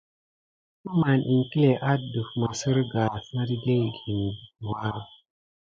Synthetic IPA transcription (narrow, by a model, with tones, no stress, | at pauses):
ku˦ma˨nʔi˨ŋki˦le˨ʔa˦du˨fma˨sə˦ɾɡa˨sã˦ɾi˦ɡe˦jɡi˨n˨wa˦˨